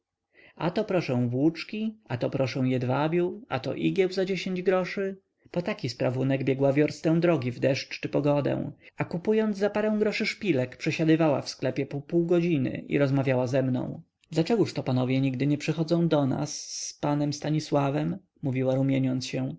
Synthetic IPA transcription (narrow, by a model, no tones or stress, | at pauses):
at̪ɔpɾɔʂɛ̃w̃vwut͡ʂkʲiat̪ɔpɾɔʂɛ̃w̃jɛd̪vabʲjua̰t̪ɔ̰ʔiɡʲɛwzad͡ʑeɕeɲd͡ʑɡɾɔʂɘ | pɔt̪akʲispɾavunɛɡbʲjɛɡwavʲjɔɾst̪ɛ̃w̃d̪ɾɔɡʲivd̪ɛʂt͡ʂt͡ʂɘpɔɡɔd̪ɛ̰w̃akupujɔnd̪zzapaɾɛ̃w̃ɡɾɔʂɘʂpʲilɛkpʂɛɕad̪ɘvawa̰fsklɛpʲjɛpupuwɡɔd͡ʑinɘ̰ʔḭɾɔzmavʲjawazɛmnɔ̰̃w̃ | d̪lat͡ʂɛɡuʂt̪ɔpanɔvʲjɛɲiɡd̪ɘɲɛpʂɘxɔd̪zɔ̃w̃d̪ɔna̰sːpanɛmst̪aɲiswavɛmː | uvʲiwaɾumʲjeɲɔnt̪sɕɛ